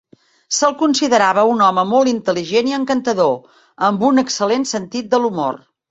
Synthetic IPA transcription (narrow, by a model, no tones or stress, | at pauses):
səlˠkunsiðəɾaβəunɔməmolˠt̪int̪əliʒeniəŋkənt̪əðo | əmbunəksəlensənt̪it̪̚d̪əlumo̰r